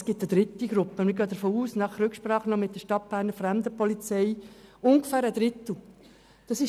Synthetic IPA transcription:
sɡ̥ɪt̪əd̥̪ɾɪt̪ːiɡ̥ɾʊpːənmɪɾɡøːd̪əɾfoːuːsnɑχɾʉkʃpɾɑːχənɔmɪt̚d̥əʃtɑt̚b̥æːɾnəɾfɾɛmd̪əpɔlit͡sɛjʊŋɡəfæːɾəd̪ɾɪt̪l̩ | d̪̥ɑsɪ

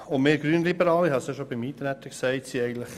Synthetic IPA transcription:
ʊnmeːɾɡɾyənlibəɾɑːliɦɑseʃobimiːt̪ɾæt̪ːəksæɪtsiɛɪɡəntləχ

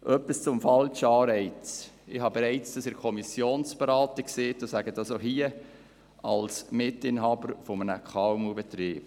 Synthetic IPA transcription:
ʔœpːist͡sʊmfɑlʃəɑːɾɛɪt͡sɪhɑbɛɾɛɪt͡sd̥ɑsɪɾkʰɔmisjoːnsb̥eɾɑːtikseːtosæɡədɑsoɦiə | ɑlsmɪtɪnɦɑːbəɾfomənəkχɑwmubɛtɾiːb̥

